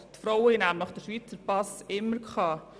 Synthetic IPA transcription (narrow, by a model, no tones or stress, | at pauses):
tfɾoʊwinæmləχd̥əʃʋiːt͡səɾpɑsɪmːəɾkʰχɑ